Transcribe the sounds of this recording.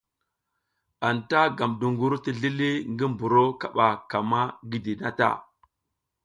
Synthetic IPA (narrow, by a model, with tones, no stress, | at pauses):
a˨nta˦ɡa˨mdu˨ŋɡu˦ɾti˨ɮi˦li˦ŋɡi˦mbu˨ɾo˦ka˨ɓa˨ka˨ma˦ɡi˦di˨na̰˦ta̰˦˨